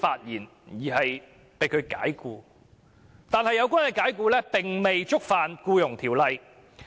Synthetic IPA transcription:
faː˧t̚jiː˨˩n | jiː˨˩hɐ˨j | pe˨˧jkʰɵ˨˧ɥka̰ː˨˥jkuː˧ | t̪aː˨nhɐ˨jːɐ˨˧wk̬ʷaː˥nhɐ˨˧jkaː˨˥jkuː˧lɛː˥pɪ˨ŋme˨jt͡sʊ˥k̚faː˨nkuː˧jʊ˨˩ŋt̪ʰiː˨˩wlɐ˧j

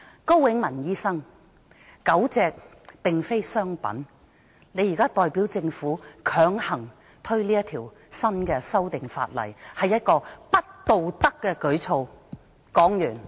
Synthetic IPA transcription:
ko˥wwɪ˨˥ŋmɐ˨˩njiː˥sɐ˥ŋ | kɐ˨˥wt͡sɛː˧k̚ | pɪ˨ŋfe˥jsœː˥ŋpɐ̰˨˥n | le˨˧ji˨˩kaː˥t̪ɔː˨jpiː˨˥wt͡sɪ˧ŋfuː˨˥kʰœː˨˥ŋhɐ˨˩ŋ | t̪ʰɵ˥ɥliː˥jɐ˥t̪ʰiː˨˩w | sɐ˥nkɛː˧sɐ˥wt̪ɪ˨ŋfa̰ː˧t̚lɐ̰˨˩jhɐ˨jːɐ˥t̚kɔː˧pɐ˥t̚t̪o˨wt̪ɐ˥kːɛː˧kɵ˨˥ɥt͡sʰo˧w | kɔː˨˥ŋjyː˨˩n

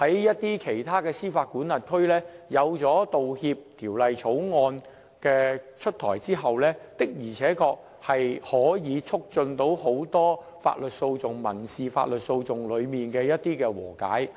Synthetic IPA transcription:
hɐ˨˥jːɐ˥t̚t̪iː˥kʰe˨˩jt̪ʰaː˥kɛː˧siː˥faː˧t̚kuː˨˥nlɐ˨t̚kʰɵ˥ɥlɛː˥jɐ˨˧wt͡sɔː˨˥t̪o˨whiː˧p̚t̪ʰiː˨˩wlɐ˨jt͡sʰo˨˥wŋɔː˧n | kɛː˧t͡ʃʰɵ˥t̚t̪ʰɔː˨˩jt͡siː˥ɦɐ˨wlɛː˥t̪ɪ˥k̚jiː˨˩t͡sʰɛː˨˥kɔː˧k̚ | hɐ˨jhɔː˨˥jiː˨˧t͡sʰʊ˥k̚t͡sɵ˧nt̪o˨˥who˨˥wt̪ɔː˥ | fa̰ː˧t̚lɵ˨t̚so˧wt͡sʊ˨ŋmɐ̰˨˩nsiː˨fa̰ː˧t̚lɵ˨t̚so˧wt͡sʊ˨ŋlɵ˨˧ɥmiː˨nkɛː˧jɐ˥t̚t̪ːiː˥kɛː˧wɔ̰ː˨˩ka̰ː˨˥j

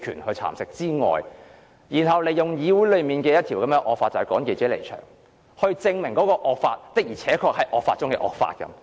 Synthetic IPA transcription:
kʰyː˨˩nhɵ˧t͡sʰa̰ː˨˩msɪ˨k̚t͡siː˥ŋɔ̰ː˨j | jiː˨˩nhɐ˨wle˨˧jjʊ˨˩ŋjiː˨˥wu˨˥jlɵ˨˧ɥmiː˨nkɛː˧jɐ˥t̪̚ʰiː˨˩wkɐ˨˦mɛː˧ʔɔː˧k̚faː˧t̚t͡sɐ˨˩hkɔː˨˥ŋke˧jt͡sɛ˨˥lḛ˨˩jt͡ʃʰœ̰ː˨˩ŋ | hɵ˧ɥt͡sɪ˧ŋmɪ˨˩ŋkɔː˨˥kɔː˧ʔɔː˧k̚faː˧t̚t̪ɪ˨˥k̚jiː˨˩t͡sʰɛː˨˥kʰɔː˧k̚hɐ˨˥jʔɔː˨kfaː˧t̚t͡ʃʊ˥ŋkɛ̰ː˧ʔɔ̰ː˨k̚fa̰ː˧t̚kɐ̰˨˦m

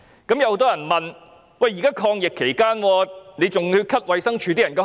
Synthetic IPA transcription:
kɐ˨˥mjɐ˧who˧˥t̪ɔː˥jɐ˨˩nmɐ˨n | wɐ˨˧jːiː˨˩kaː˥kʰɔː˧ŋjɪ˨kʰːe˨˩jkaː˥nwɔː˧ne˨˧jt͡sʊ˨ŋhɵ˧kʰɐ˥t̚wɐ˨jsɐ˥ŋt͡ʃʰyː˧t̪iː˥jɐ˨˩nkɛː˧

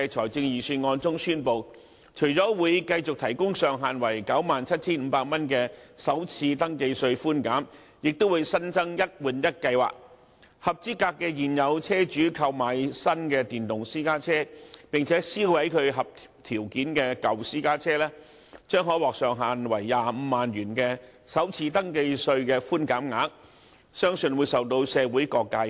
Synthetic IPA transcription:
t͡ʃʰɔː˨˩jt͡sɪ˧ŋjiː˨syː˧nŋɔː˧nt͡sʊ˥ŋsyː˥npo˧w | t͡ʃʰɵ˨˩ɥt͡sɔː˨˥wuː˨˧jkɐ˧jt͡sʊ˨k̚t̪ʰɐ˨˩jkʊ˥ŋsœː˨˧ŋɦaː˨nwɐ˨˩jkɐ˨˥wmaː˨nt͡sʰɐ˥t̚t͡sʰiː˥nm̩˨˧paː˧k̚mɐ˥nkɛː˧sɐ˨˥wt͡sʰiː˧t̪ɐ˥ŋke˧jsɵ˧ɥfuː˥nkaː˨˥m | jɪ˨k̚t̪o˥wuː˨˧jsɐ˥nt͡sɐ˥ŋjɐ˥t̚wuː˨˩njɐ˥t̚kɐ˧jwa̰ː˨˩k̚ | hɐ˨p̚t͡siː˥kaː˧kːɛː˧jiː˨˩njɐ˨˧wt͡sʰɛː˥t͡ʃyː˨˥kʰɐ˧wmaː˨jsɐ˥nkɛː˧t̪iː˨˩nt̪ʊ˨ŋsiː˥kaː˥t͡sʰɛː˥pɪ˨˩ŋt͡sʰɛː˨˥siː˥hɐ˨˥jkʰɵ˨˧ɥɦɐ˨p̚t | t̪ʰiː˨˩wkiː˨˥nkɛː˧kɐ˨wsiː˥kaː˥t͡sʰɛː˥lɛː˥ | t͡ʃœː˥ŋɦɔː˨˥jwɔː˨k̚sœː˨ŋɦaː˨nwɐ˨˩jːaː˨˧m̩ː˨˧maː˨nɥyː˨˩nkɛː˧ | sɐ˨˥wt͡sʰiː˧t̪ɐ˥ŋke˧jsɵ˧ɥkɛː˧fuː˥nkaː˨˥mŋaː˨˥k̚ | sœː˥ŋsɵ˧nwuː˨˧jsɐ˨˩wt̪o˧wsɛː˨˧wuː˨˥jkɔː˧kːaː˧

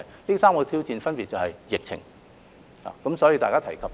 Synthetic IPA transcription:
jliː˥saː˥mkɔː˧t̪ʰiː˥wt͡siː˧nfɐ˥npi˨t̚t͡sɐ˨whɐ˨jjɪ˨k̚t͡sʰɪ̰˨˩ŋ | ha̰ː˨˩kɐ˨˥msɔ˨˦˥ji˧t̪aː˨kaː˥t̪ʰɐ˨˩jkʰɐ˨p̚

